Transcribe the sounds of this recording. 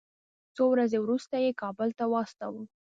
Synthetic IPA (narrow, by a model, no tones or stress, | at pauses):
t͡sowɾazewɾust̪ajekɑbəlt̪awɑst̪awə